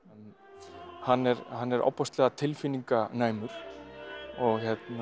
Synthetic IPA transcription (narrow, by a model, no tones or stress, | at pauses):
hanːɛɾhanːɛɾʔa̰wpɔst̪lɛːɣat̪ʰɪlfiniŋkanaːjmʏɾ̥ | ɔɣçɛt̪na